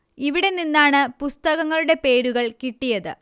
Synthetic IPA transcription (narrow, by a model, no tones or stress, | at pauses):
iʋiɽe̞ninːaːɳɨpust̪ɐɣɐŋːɐɭuɽe̞pe̞ːɾuɣɐɭkiʈːijɐðɨ̰